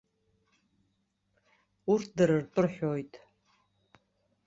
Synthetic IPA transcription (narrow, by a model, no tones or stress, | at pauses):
urtʰdɨɾɨrtʼʊrħʷᶣoːjtʼ